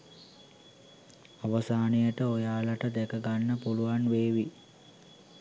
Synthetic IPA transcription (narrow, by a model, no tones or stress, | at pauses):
aʋəsaːnijəʈəojaːləʈəd̪ekəɡanːəpuluʋanʋeːʋi